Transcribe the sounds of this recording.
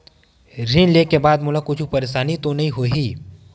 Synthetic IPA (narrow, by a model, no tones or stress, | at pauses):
ɾinlekebaːd̪mʊlakʊt͡ʃʰupəɾeʃaːnit̪onɐɦĩɦoɦiː